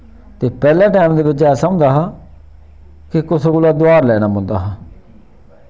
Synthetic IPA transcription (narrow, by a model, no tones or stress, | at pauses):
t̪eːpɛːlãːʈaːmd̪eːʋɪt͡ʃɛːsaʊ̃nd̪aːɦaː | kɪkʊskʊlaːd̪oaːɾlɛːñaːmʊ̃nd̪a̰ːɦaː